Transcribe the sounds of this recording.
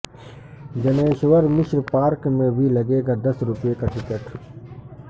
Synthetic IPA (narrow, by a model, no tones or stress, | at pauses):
d͡ʒɐneːʃʋəɾmɪʃɾpaːɾkmẽbʱilɐɡeːɡaːd̪ɐsɾʊpjekaʈɪkeʈʰ